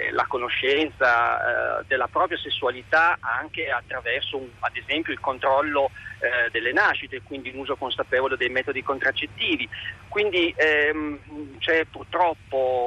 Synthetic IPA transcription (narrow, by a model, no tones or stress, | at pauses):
la̰konoʃːɛnt̪sa̰ | d̪elːapɾɔːpɾjasesːualit̪aaŋk̟eat̪ːɾavɛrsoad̪ezɛmpjoilkont̪ɾɔlːod̪elːenaʃːit̪ekwind̪iunuːzokonsapeːvoled̪ejmɛːt̪od̪ikont̪ɾat͡ʃːet̪ːiːvikwind̪iɛ | t͡ʃɛpːurt̪ɾɔpːo